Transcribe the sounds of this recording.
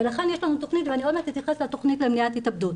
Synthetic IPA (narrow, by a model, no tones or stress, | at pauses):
velaχe̞njeʃlanut̪oχnit̪veaniomet̪it̪jaχeslat̪o̞χnitlemniathitabd̪ut